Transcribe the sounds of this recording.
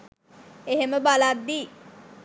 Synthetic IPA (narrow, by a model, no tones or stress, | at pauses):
eɦeməbalad̪ːiː